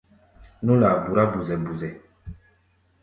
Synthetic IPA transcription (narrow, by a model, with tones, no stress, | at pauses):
nu˦la˨bu˨ɾa˦bu˨zɛ˨bu˨zɛ˨